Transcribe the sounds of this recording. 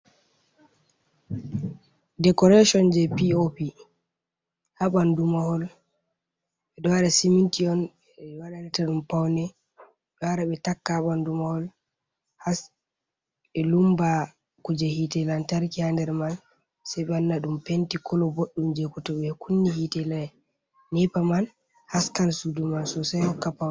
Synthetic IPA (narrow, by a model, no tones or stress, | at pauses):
dɛkɔɾaʃɔnd͡ʒɛpiopi | haɓandumahɔl | ɓɛdɔwaɾɛsimintiɔn | waɗaɾɛtaɗumpawnɛ | ɗaɾaɓɛtakːaaɓandumahɔl | has | ɛlumba | kud͡ʒahitɛlantaɾkihandɛɾman | sajɓɛanːaɗumpentikɔlɔboɗːumd͡ʒekutɔɓɛkunːihitɛla | nɛpaman | haskansudumansɔsajhɔkːapawn